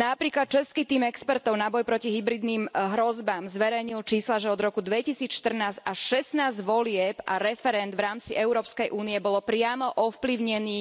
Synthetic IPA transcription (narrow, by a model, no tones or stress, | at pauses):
napɾiːklat̪̚t͡ʃɛskit̪iːmɛkspɛɾt̪ɔʊnabɔjpɾɔciɦibɾid̪niːmɦɾɔzbaːmzʋɛɾɛjɲilt͡ʃiːslaʒɛɔd̪ɾɔkud̪ʋɛcisiːt͡sʃt̪r̩naːzaʃɛsnaːzɟʋɔlɪɛpa̰ɾɛfɛɾɛnd̪ʋɾaːmt͡siʔɛʊɾɔːpskɛjʔuːniɛbɔlɔpɾɪamɔʔɔfpliʊɲɛniː